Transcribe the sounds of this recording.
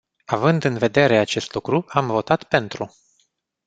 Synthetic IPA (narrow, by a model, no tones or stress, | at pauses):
avɨnd̪ɨnve̞d̪e̞ɾe̞at͡ʃe̞st̪lukɾuamvo̞t̪at̪pe̞nt̪ɾu